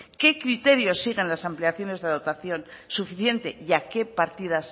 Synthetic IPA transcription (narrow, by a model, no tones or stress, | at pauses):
ke̞kɾit̪e̞ɾjo̞sːiɣe̞nlasampliaθjo̞ne̞zðeaðot̪aθjo̞nsufiθje̞nt̪e̞iake̞paɾt̪iðas